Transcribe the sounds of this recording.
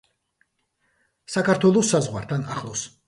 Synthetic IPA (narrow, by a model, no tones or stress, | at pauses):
sakʰaɾt̪ʰwɛlˠɔsːazʁwa̰ɾt̪ʰana̰χlˠɔs